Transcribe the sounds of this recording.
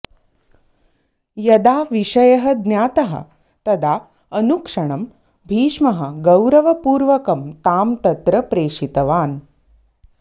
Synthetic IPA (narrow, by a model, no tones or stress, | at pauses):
jɐd̪aːʋiʂɐjɐɦɐd̪njaːt̪ɐɦɐ̰ | t̪ɐd̪a | ənukʂɐɳ̃ɐm | bʱiːʂmɐɦɐɡɐwɾɐʋɐpuːɾʋɐkɐmt̪aːmt̪ɐt̪ɾɐpɾeːʂit̪ɐʋaːn